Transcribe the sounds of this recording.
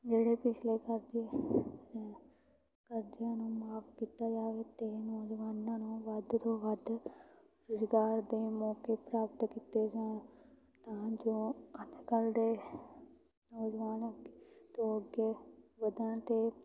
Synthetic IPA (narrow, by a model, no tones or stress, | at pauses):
d͡ʒeːɽeːpɪt͡ʃʰleːkəɾd͡ʒe | kəɾd͡ʒɪjãːnũːmaːpkiːt̪aːd͡ʒaːʋeːt̪eːnoːd͡ʒʋaːnãːnũːʋəd̪t̪oːʋəd̪ | ɾʊzɡaːɾd̪eːmɔːkeːpɾaːpət̪kiːt̪eːzãː | t̪ãːd͡ʒoːəd̪kəld̪eː | noːd͡ʒʋaːnot̪oːəɡeːʋəd̪əɳt̪eː